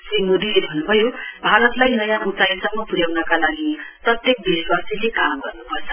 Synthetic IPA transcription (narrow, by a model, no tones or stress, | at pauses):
simod̪ilebʱʌnːubʱʌjobʱaɾʌt̪lajɦʌjamut̪ajsʌmːʌpuɾjawnʌkalaɡiprʌt̪jek̚biswasilepamɡʌrnupʌt͡sʰʌ̥